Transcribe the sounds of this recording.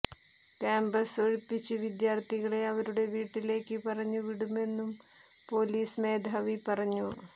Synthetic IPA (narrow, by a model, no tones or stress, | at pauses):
kaːmbɐsoɻipːit͡ɕːɨʋid̪jaːrt̪ʰiɣɐɭe̞ɐʋɐɾuɽe̞ʋiːʈːile̞ːkːɨpɐrɐɲːuʋiɽume̞nːum | po̞ːliːsme̞ːd̪ʱɐʋipɐrɐɲːu